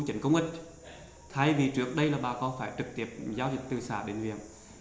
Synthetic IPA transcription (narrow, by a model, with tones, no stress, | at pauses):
t͡ɕï˧˩˨ŋkə˧wŋ͡mʔï˦˥k̟̚ | t̪ʰa˧jvi˨˩t͡ɕɨ˨˦˩ək̚ɗə˧jlaː˨˩ɓaː˨˩kɔ˨˦faː˧˩jt͡ɕɨ˨˩k̚t̪i˧˩əp̚zaː˨˧wzï̟˨˩t̪ɨ˨˩saː˧˩ɗḛ˨˧˩nhwḭ˧˨əŋ